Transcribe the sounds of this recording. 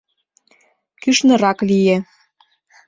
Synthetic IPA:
kyʃnɤ̆ɾɑklije

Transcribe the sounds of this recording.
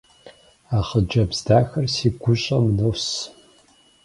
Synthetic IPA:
aːχəd͡ʒɐbz̥daːxɐrsiːɡʷʊɕʼɐmnɐws

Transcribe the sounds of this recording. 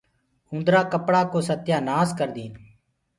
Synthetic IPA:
ʊ̃nd̪ɾaːkəpɽaːkoːsət̪jaːnaːskəɾd̪iːn

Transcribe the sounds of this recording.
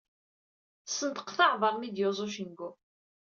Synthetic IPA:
sənt̪ə̥qθɑʕvəɾˤmid̪jozˤoʃ̬ənɡʊ

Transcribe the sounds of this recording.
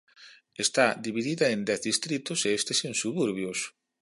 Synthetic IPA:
est̪ad̪iβiðiðɐend̪ɛθðist̪ɾit̪ʊseest̪esensuβuɾβjos

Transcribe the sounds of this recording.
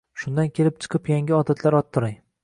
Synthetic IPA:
ʃʊnd̪ankʲʰe̞lɪp̚t͡ʃʰɨ̥qʰɨpjaŋɡʲɪɒd̪at̪ʰlaɾɒt̪ʰːʊɾaŋ

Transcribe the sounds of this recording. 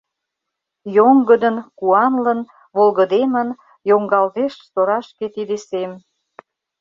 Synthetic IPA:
joŋɡəd̪ənkuɑnlən | βolɣə̆d̪emən | joŋɡɑlt̪eʃsoɾɑʃket̪id̪esem

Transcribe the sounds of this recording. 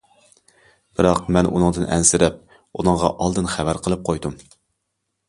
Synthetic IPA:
b̥ɨɾɑqmɛnʔṵnɨŋd̪ɨnʔɛ̰nsɪɾɛp̚ | unɨŋʁɑʔɑlˠd̪ɨnχævæɾqʰəlˠɨp̚qʰojd̪um

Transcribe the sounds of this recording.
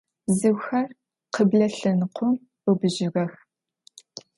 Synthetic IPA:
bzɨwxɐr | qəbɮɐɬɐnqʷʰʊm | əbɨʒɪʁɐx

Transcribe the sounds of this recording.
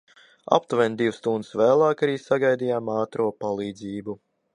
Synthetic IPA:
a̰pt̪uvɛnd̪iwst̪und̪svæːlˠɑːkaɾiːsaɡajd̪ijaːmaːt̪ɾuɔpalˠiːd̪ziːbu

